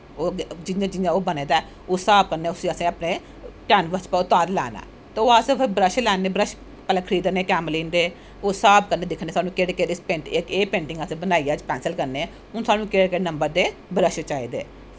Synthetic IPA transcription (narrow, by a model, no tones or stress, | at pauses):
oːd͡ʒɪãd͡ʒɪjãːoːbəneːd̪aː | oːsaːb̚kəɾneːʊsiəsẽːəpneː | ʈɛːnʋəspəʊt̪aːd̪lɛ̰ːna̰ː | t̪eːoːasẽbəɾəʃlɛːneːbɾəʃ | pəlɛ̃kʰəɾiːd̪əneːkɛːmliːnd̪eː | oːsaːbkəɾneːd̪ɪkʰneːsaːnũːkeːɽeːkeɾɪspeːɳʈekeːpẽːɳʈɪ̃ŋɡəsẽːbənaːiːaːt͡ʃpɛːnsəlkəɾneː | ʊnsaːnũːkeːɽekeːɽnəmbəɾd̪eːbɾəʃt͡ʃaːḭːd̪ḛː